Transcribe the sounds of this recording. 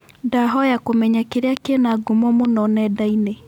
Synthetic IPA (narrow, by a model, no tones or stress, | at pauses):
daɦɔjakomɛɲakeɾeakenaːɡomɔmonɔnɛdaine